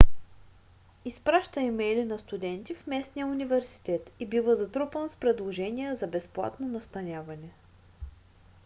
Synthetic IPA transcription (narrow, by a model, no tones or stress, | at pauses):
ispɾaʃt̪əimɛjlinɐst̪ud̪ɛnt̪ifmɛsnijəunivɛɾsi̥t̪ɛt̪ibivəzɐt̪ɾupənspɾɛd̪lˠoʒɛnʲijəzɐbɛsplˠa̰t̪nonɐst̪ɐnʲjavɐnɛ